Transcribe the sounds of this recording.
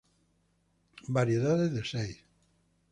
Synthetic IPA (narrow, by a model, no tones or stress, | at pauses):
baɾjeðaðeðesej